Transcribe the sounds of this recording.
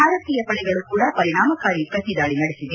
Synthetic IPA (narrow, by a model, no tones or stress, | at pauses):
aːɾɐt̪ːijɐpɐɭɐɪɣɐɭɯkuːɽɐpɐɾɪɳaːmɐkːaːɾjipɐsɪðaːɭinɐɽɛsɪʋe